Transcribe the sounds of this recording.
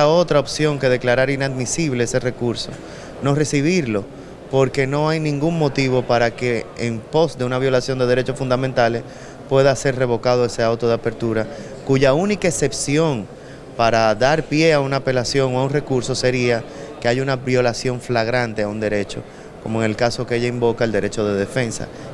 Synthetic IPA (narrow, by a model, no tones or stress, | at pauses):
ao̞t̪ɾaopsjo̞ŋke̞ð̞e̞klaɾaɾinad̪misiβ̞le̞ese̞re̞kuɾso̞̰ | no̞re̞siβiɾlo̞ | po̞ɾke̞no̞ajnĩŋɡuŋmo̞t̪iβo̞paɾake̞ːmpo̞sd̪e̞unaβjo̞lasjo̞nd̪e̞ðe̞ɾe̞t͡ʃo̞sfund̪amẽnt̪ale̞s | pwe̞ðase̞ɾre̞β̞o̞kað̞o̞e̞se̞awt̪o̞ð̞eape̞ɾt̪uɾa | kuʝaunikaese̞psjo̞ŋ | paɾaðaɾpje̞aunaːpe̞lasjo̞ŋoaunre̞kuɾso̞se̞ɾiakeaʝaunaβjo̞lasjo̞ɱflaɣɾant̪e̞aund̪e̞ɾe̞t͡ʃo̞̰ | komoeŋe̞lkaso̞keeʝaimbo̞kaeld̪eɾe̞t͡ʃo̞ð̞e̞ðe̞fe̞nsa̰